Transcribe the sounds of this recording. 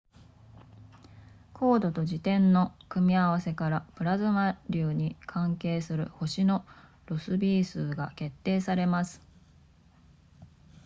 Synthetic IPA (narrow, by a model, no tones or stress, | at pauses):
kʰo̞ːd̪o̞t̪o̞d͡ʑit̪ẽ̞nːo̞kɯ̟mʲiaβase̞kaɾapɯ̟ɾazɨmaɾʲɯːɲ̟ikʰãŋke̞ːsɨɾɯ̟̰ho̞ɕino̞ | ɾo̞sɨbʲiːsɨːɡa̰ke̞t̪ːe̞ːsaɾe̞masɨ̥